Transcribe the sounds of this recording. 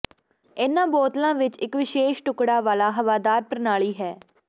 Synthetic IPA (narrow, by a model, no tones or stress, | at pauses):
ɪnãːboːt̪lãːʋɪt͡ʃɪkʋɪʃeːʃʈʊkɽaːʋaːlaːɦəʋaːd̪aːɾpɾənaːɭiːɦɛː